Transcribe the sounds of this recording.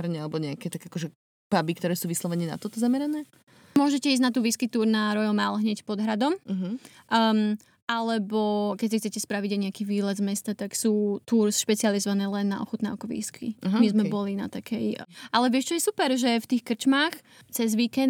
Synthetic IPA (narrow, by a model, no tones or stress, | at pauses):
ɾɲɛalɛbɔɲɛakɛt̪aɡakɔʒɛ | b̥abikt̪ɔɾɛːsuːʋislˠɔʋɛnina̰t̪ɔt̪ɔzamɛɾanɛː | mʊɔʒɛcɛizɟnat̪uːʋiːskit̪uːɾnaɾɔjɔmalɦɲɛcpɔd̪ɦɾad̪ɔmɦ | ʔm | ʔalɛbɔkɛcsixt͡sɛcɛspɾaʋiɟajɲɛakiːʋiːlɛd̪zmɛst̪at̪aksuːt̪uːɾsʃpɛt͡sializɔʋanɛːlɛnːa̰ʔɔ̰xɔt̪naːʊkɔʋḭːskʰḭɦmizmɛbɔlina̰t̪akʰɛjʔalɛʋɪɛʃt͡ʃɔjɛsupɛɾʒɛft̪iːxkr̩t͡ʃmaːx | t͡sɛzʋikɛn